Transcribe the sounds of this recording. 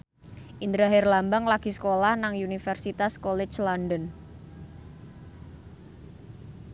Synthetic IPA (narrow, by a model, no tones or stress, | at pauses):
ʔind̪ɾaɦɛrlambaŋlaɡ̥isə̥kolahnaŋunifɛrsit̪askɔlɛt͡ʃlandɔn